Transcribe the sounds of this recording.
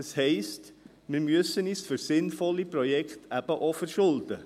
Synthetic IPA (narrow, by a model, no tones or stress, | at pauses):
əshɛɪst | mɪɾmyəsəniːsfʏɾsɪnfɔlːiprɔjɛkχtʰæb̥əʔɔfəɾʃʊld̪ə